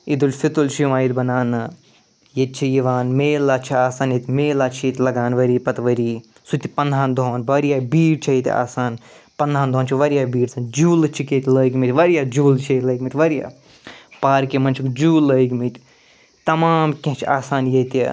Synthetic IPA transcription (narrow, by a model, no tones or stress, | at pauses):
id̪ulʲfit̪ult͡ʃʰijuʋaːjit̪ʲbɐnaːnɨ | jet̪̚t͡ʃʰijiʋaːnmeːlat͡ʃʰiaːsaːnjit̪ʲmeːlaːt͡ʃʰit̪ʲlɐɡaːnʋɐɾiːpɐt̪ʋɐɾiː | sut̪ʲipɐnd̪ʱaːnd̪oːnʋɐɾjaːbiːɽt͡ʃʰɐjit̪ʲa̰ːsaːn | pɐnd̪ʱaːnd̪ʱoːnt͡ʃʰiʋɐɾijaːbiːɽsɐ̃nd͡ʒuːlɨt͡ʃʰiket̪ʲləːikmit̪ʲʋɐɾjaːd͡ʒuːlt͡ʃʰɐilɐikʲmit̪ʲʋɐɾija̰ː | paːɾkemɐnt͡ʃʰikd͡ʒuːlːəikʲmit̪ʲ | t̪ɐmaːmkʲɐ̃ɦt͡ʃʰiaːsaːnjet̪ḭ